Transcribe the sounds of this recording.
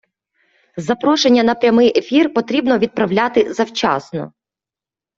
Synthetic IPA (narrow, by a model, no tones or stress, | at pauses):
zɐpɾɔʃenʲːɐnɐpɾʲɐmɪjefʲirpɔt̪ɾʲibnɔʋʲid̪̚pɾɐwlʲat̪ɪzɐwt͡ʃɑ̰snɔ̰